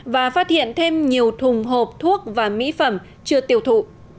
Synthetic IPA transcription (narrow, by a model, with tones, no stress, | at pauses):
vaː˨˩faː˦˥t̚hḭ˧˨ənt̪ʰe˧mɲi˨˩əwt̪ʰʊ˨˩ŋ͡mɦo˨˩p̚t̪ʰu˦˥ək̚vaː˨˩mḭ˧˥fə˧˩m | t͡ɕɨ˧ət̪i˨˩əwt̪ʰṵ˧˨